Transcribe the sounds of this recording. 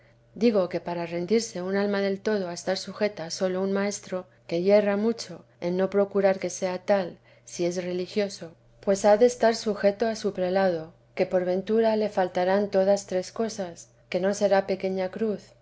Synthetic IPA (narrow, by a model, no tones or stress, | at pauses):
d̪iɣo̞ke̞paɾare̞nd̪iɾse̞unalmaðe̞lt̪o̞ð̞o̞aest̪aɾsuxe̞t̪aso̞lo̞unmae̞st̪ɾo̞ | ke̞je̞ramut͡ʃo̞ | e̞nːo̞pɾo̞kuɾaɾke̞se̞at̪al | sie̞s̬re̞lixjo̞so̞ | pwe̞saðe̞st̪aɾsuxe̞t̪o̞asupɾe̞lað̞o̞ | ke̞po̞ɾβe̞nt̪uɾale̞falt̪aɾant̪o̞ðast̪ɾe̞sko̞sas | ke̞no̞se̞ɾape̞ke̞ɲakɾuθ